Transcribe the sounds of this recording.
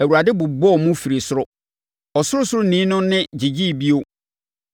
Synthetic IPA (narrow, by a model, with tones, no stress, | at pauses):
æ˨wu˨ɾa˨dɪ˦bʊ˨bɔ˦˨mʊ̃˦fi˨ɾi˨sʊ˦ɾʊ˦ | ɔ˨sʊ˦ɾʊ˦sʊ˦ɾʊ˦nĩː˨˦nʊ̃˦nɪ̃˦d͡ʑi˨d͡ʑi˦˨bi˦o˦